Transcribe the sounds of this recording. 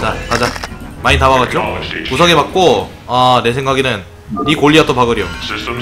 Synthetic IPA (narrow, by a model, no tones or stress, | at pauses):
t͡ɕakad͡ʑamaɲitabaɡad͡ʑokusʰʌŋemak̚k͈o | ane̞s̬ʰe̞ŋɡaɡinɯnː | ikoɭʎːiat͈opaɡɯɾio